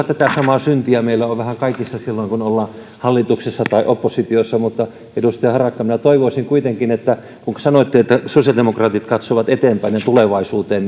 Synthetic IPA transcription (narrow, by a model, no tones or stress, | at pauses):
t̪æt̪æsɑmɑsynt̪iæmeilːæoʋʋæhæŋkɑikisːɑsilːoiŋkunolːɑː | hɑlːit̪uksesːɑt̪ɑiʔopːosit̪iosːɑmut̪ːɑ | edust̪eɑhɑrɑkːɑminæt̪oiʋoisiŋkuit̪eŋkinet̪ːæ | kuŋkɑ̥sɑnoit̪ːeet̪ːæsosijɑldemokrɑːt̪it̪kɑt̪soʋɑt̪et̪empæinent̪uleʋɑisuːt̪eːn